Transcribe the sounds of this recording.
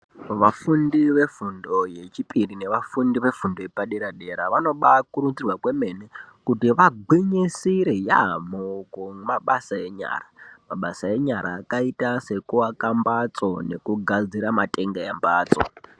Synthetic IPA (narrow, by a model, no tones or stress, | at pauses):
ʋafundiʋe̞fundo̞je̞t͡ʃipʼirine̞ʋafundiʋe̞fundo̞epaɗeɾaɗe̞ɾaʋano̞ɓakurud͡zirwakwe̞me̞nekutiʋaɡiɲisiɾeja̰mokomaɓasae̞ɲa̰ːramaɓasae̞ɲaɾaːkaitase̞kuakambat͡so̞ne̞̰kuɡʱad͡ziɾamatʼe̞ŋɡejambaːt͡so̰